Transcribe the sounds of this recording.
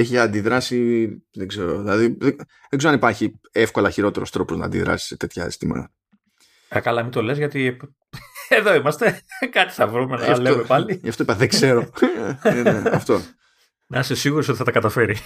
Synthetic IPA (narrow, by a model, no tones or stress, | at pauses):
eçiɐnd̪iðɾɐsiðeɡze̞ɾo̞ðilɐðiðe | ðeɡzeɾoɐnipɐɾçi | e̞fko̞lɐçiɾo̞t̪e̞ɾo̞st̪ɾo̞po̞znɐ̰nd̪iðɾɐ̰si̥set̪e̞t̪çɐḛst̪ḭmɐ̰ | ɐkɐlɐmit̪o̞le̞zʝɐt̪ip | eðo̞imɐst̪e̞kɐt̪i̥sɐvɾumenoɐfleomepɐliʝɐft̪oipɐðeɡze̞ɾoneeɐft̪o̞ | nɐsesiɣuɾosot̪i̥θɐt̪ɐkɐt̪ɐfe̞ɾi